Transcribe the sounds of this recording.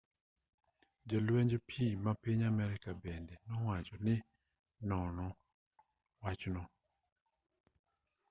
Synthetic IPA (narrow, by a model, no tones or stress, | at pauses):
d͡ʒɔlweɲd͡ʒopʰimapiɲamɛɾɪkabɛndɛnɔwat͡ʃɔnɪ | nɔnɔ | wat͡ʃnɔ